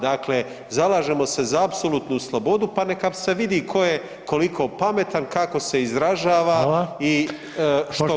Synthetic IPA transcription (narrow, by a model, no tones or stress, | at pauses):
d̪akle̞ | zalaːʒe̞mo̞se̞zaːbsolut̪nuslˠo̞bo̞d̪upanekase̞ʋid̪ikʰo̞je | ko̞likʰo̞pame̞t̪ankako̞se̞izɾaʒaːʋai | ʃo